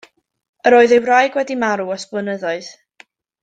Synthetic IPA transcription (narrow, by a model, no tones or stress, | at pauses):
əɾoːɨðewrajɡwɛdimaɾuɔspənəðɔɨð